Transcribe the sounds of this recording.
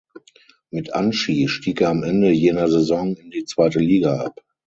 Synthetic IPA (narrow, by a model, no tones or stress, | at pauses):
mɪtʔa̰nʃiːʃtiːkɛːɐamʔɛndəjeːnɐzezɔŋɪndiːt͡sv̥aɪtəliːɡaʔa̰p